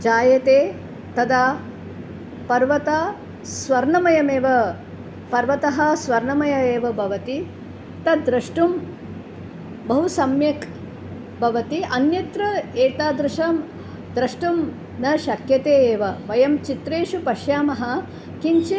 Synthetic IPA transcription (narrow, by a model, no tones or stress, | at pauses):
d͡ʒaːjɐt̪eː | t̪ɐd̪aː | pɐɾʋɐt̪aː | sʋɐɾɳɐmɐjɐmeːʋɐ | pɐɾʋɐt̪ɐɦɐ̆sʋɐɾɳɐmɐjɐeːʋɐbʱɐʋɐt̪i | t̪ɐd̪ɾɐʂʈum | bɐɦusɐmjɐk | bʱɐʋɐt̪iɐnjɐt̪ɾɐeːʈ̪aːd̪ɾɪʃɐm | d̪ɾɐʂʈum | nɐʃɐkjɐt̪eːeːʋɐʋɐjɐmt͡ʃit̪ɾeːʃupɐʃjaːmɐɦɐ̆ | kiɲt͡ʃe